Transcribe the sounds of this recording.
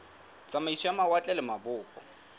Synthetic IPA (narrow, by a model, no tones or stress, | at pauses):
t͡sʼamaisiamawat͡ɬʼɛlɪmabʊːkʼɔ̰